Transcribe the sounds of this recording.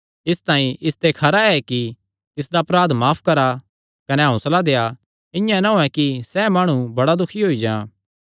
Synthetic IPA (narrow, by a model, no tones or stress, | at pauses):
ɪst̪ãːĩʔɪst̪ekʰɐɾaɛki | t̪ɪsd̪aɐpɾaːd̪maːpʰkɐɾa | kɐnɛɦɐ̃ũsɐlad̪eːa | ɪ̃jãnaɦoːɛ̃kisɛmaːɽ̃ũbɐɽad̪ʊkʰiɦoːid͡ʒã̰ː